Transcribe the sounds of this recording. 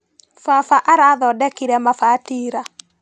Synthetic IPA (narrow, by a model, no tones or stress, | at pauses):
fafaʔaɾaðɔdɛkiɾɛmafatiːɾa